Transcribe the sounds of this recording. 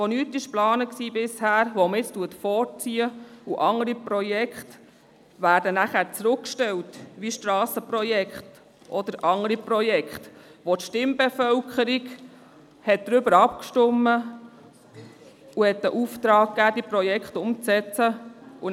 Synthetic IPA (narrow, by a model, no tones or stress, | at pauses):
ʋonytɪʃplɑːnəksiːbɪshæːɾʋomɪt͡stuətfɔːrt͡siːəuʔɑŋəɾipɾɔjɛkχt | ʋæːɾdənæχæːɾt͡sɾʊkʃtɛltʋiʃtɾɑːsəpɾɔjɛkχt | ʔɔd̪əɾʔɑŋəɾipɾɔjɛkχtʋotʃtɪmbɛfœlkʰχəɾiɡ | hɛt̚d̥ɾʏbəɾɑp̚kʃtʊmːə | uhɛt̪ːəʔuːft̪ɾɑːk̚kːæːd̥̪ipɾɔjɛkχtʊmt͡sɛt͡səu